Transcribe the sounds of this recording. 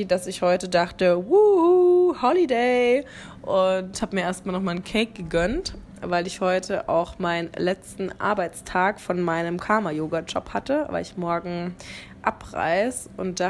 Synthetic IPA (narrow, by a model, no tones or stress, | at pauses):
d̥asɪçhɔʏtədaχtəwuːuhɔlideɪ | ʔʊnthaːbəmiːɐʔeːɐst̚maːlnɔχmaːlnkʰɛːk̚ɡ̥əɡœnt | vaɪlɪçhɔʏtʰəʔa̰ʊxmaɪnənlɛt͡stn̩ʔa̰ɐbaɪt͡stʰaːkfɔnmaɪnəmkʰaːmajoːɡad͡ʒɔ̰phatəva̰ɪlɪçmɔɐɡŋ̩ | ʔa̰pʁ̥a̰ɪsʔʊntd̥a